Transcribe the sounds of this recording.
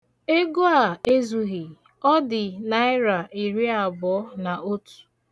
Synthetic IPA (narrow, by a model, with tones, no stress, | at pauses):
e˦ɡo˦a˨e˦zu˨ɣi˨ | ɔ˦dɪ˨na˨˦ɪ˦ɾa˨i˨ɾi˦a˨bɔ˨˦na˨o˦tu̥˨